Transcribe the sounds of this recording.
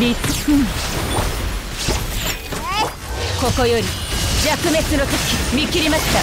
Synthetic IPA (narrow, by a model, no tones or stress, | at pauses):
ɾitsɯn | kokojoɾʲi | jakɯ̟me̞t͡sɨnok̪akʲimʲikʲiɾʲimaɕi̥t̪a